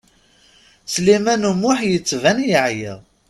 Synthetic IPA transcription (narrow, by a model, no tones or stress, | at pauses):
slimænumʊħjət͡sːvænjəʕjɪ̰ðˤ